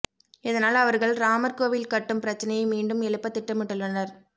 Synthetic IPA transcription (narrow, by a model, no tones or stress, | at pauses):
ɪðɐnaːlɐʋɐɾɣɐɭɾaːmɐɾkoːʋilkɐʈːɯmpɪɾɐt͡ʃːɐnɐjɐmiːɳɖɯmɛɭɯpːɐt̪ːɪʈːɐmɪʈːɯlːɐnɐɾ